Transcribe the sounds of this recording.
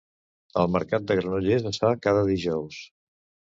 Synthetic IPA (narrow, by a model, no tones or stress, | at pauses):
ə̰lˠməɾkat̪̚d̪əɣɾənuʎezəsfakaðəðiʒɔws